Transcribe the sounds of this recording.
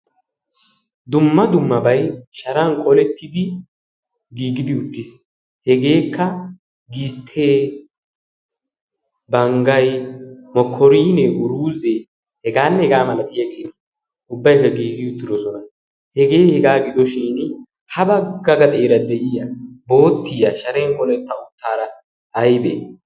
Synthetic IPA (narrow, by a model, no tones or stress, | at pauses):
d̪ʊmːɐd̪ʊmːɐbɐjʃɐɾɐŋkʼɔlɛt̪ʰːɪd̪ɪ | ɡiːɡɪd̪ɪʊt̪ːɪs | hɛɡe̞ːkːɐ | ɡist̪ʰːeː | bɐŋɡɐjmɔkʰːɔɾiːnɛʔʊɾuːze | hɛɡaːnːɛhɛɡaːmɐlɐt̪ɪjɐɡɪd̪ | ʊbːɐjkːɐɡiːɡɪʊt̪ːɪd̪ɔsɔnɐ | hɛɡeːhɛɡaːɡɪd̪ɔʃiːn | hɐbɐɡɐɡɐt̪ʼeːɾɐd̪ɛʔɪjɐbo̞ːt̪ːɪjɐʃɐɾeːŋkʼɔlɛt̪ːɐʊt̪ːaːɾɐ | ɐjd̪e